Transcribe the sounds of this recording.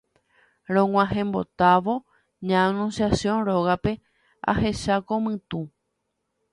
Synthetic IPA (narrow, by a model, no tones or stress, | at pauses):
ɾ̃õŋʷãɦẽ̞mbo̞̰t̪aʋo̞ | ɲãːnũnsjasjõ̞nɾo̞ɣape̞ | a̰he̞ʃakomɨ̃t̪ũ